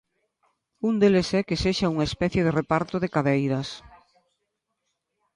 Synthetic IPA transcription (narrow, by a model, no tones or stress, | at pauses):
und̪elesɛkeseʃɐuŋaespɛθjeðerepaɾt̪oðekaðejɾɐs